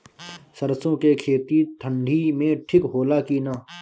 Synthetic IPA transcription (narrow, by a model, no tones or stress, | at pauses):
səɾsõːkekʰeːt̪it̪ʰə̃ɳɖʱimẽʈʰɪkɦoːlakiːnaː